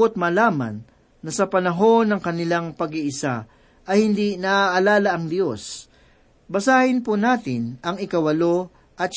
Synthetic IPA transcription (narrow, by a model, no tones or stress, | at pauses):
ot̪̚mɐlaːmɐ̰nː | ɐsɐpɐnɐɦo̞nːɐŋkɐnɪlaŋpɐɡiʔɪsa̰ | ʔɐjhɪnd̪inɐʔaʔɐlaːlɐʔɐŋd̪jo̞s | bɐsaːhɪnpʊnaːt̪ɪnɐŋɪkɐwɐlo̞ | ʔɐt̪̚